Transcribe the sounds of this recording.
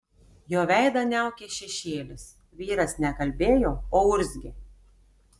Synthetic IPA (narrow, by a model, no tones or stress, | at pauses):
joːʋʲɛɪd̪ɐnʲæˑʊkʲeʃʲɛʃʲeːlʲɪs | ʋʲiːɾɐsnʲɛkɐlʲbʲeːjoːoːʊɾʲzʲɡʲɪ